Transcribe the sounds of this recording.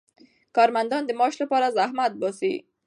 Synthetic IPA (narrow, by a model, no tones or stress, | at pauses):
kɑɾmand̪ɔnd̪əmɑʃlapɑɾazahmat̪̚bɔsḭ